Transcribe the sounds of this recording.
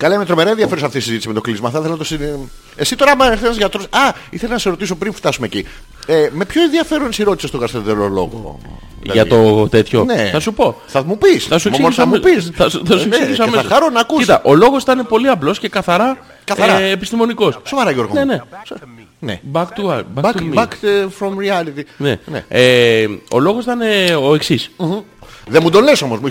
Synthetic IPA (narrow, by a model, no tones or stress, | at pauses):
kɐlɐimet̪ɾo̞meɾɐeðiɐfeɾosɐft̪isizit̪isime̞t̪oklizmɐθɐɐθelenɐt̪osi | e̞sit̪o̞ɾɐmɐeɾθenɐzʝɐt̪ɾosɐiθelenɐseɾo̞t̪is̬o̞pɾinft̪ɐsumeci | eme̞pço̞enðiɐfe̞ɾonsiɾo̞t̪isest̪okɐst̪eðelolo̞̰ɣo̰ | ʝɐt̪o̞t̪et̪ço̞̰neθɐsupo̞θɐmupisθɐsuesɐmpisθɐsuθɐsuepsiʝis̬ɐmesɐɾonɐkuiit̪ɐʔo̞lo̞ɣosi̥t̪ɐne̞po̞liɐplo̞sce̞kɐθɐɾɐ | kɐθɐɾɐepist̪imo̞niko̞ssovɐɾɐʝoɾɣonene̞so | nebɐkt̪uɐbɐbɐt̪ubakfɾomɾiɐlit̪inḛnḛeo̞̰lo̞ɣosit̪ɐne̞o̞e̞ksis | ðemud̪ole̞so̞mozmu